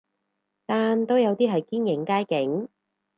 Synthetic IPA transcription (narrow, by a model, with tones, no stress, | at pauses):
t̪aː˨nt̪o˥wjɐ˨˧wt̪iː˥ɦɐ˨jkiː˥njɪ˨˥ŋkaː˥jkɪ˨˥ŋ